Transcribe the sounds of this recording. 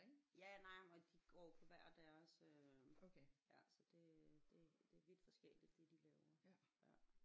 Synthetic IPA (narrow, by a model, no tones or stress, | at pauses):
jænɑɪ̰mɒd̥iɡ̥ɒ̰ːpʰɒ̽ʋæɐ̰d̥æɐsøojæsɒd̥e̝d̥e̝d̥e̝ɐʋid̥fɒsɡ̥el̰id̥ːe̝d̥ilɛːʊɐjæ